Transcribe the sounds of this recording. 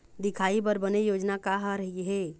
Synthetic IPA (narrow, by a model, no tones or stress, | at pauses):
d̪ikʰaipəɾbənejod͡ʒnakaɦəɾəɦiɦe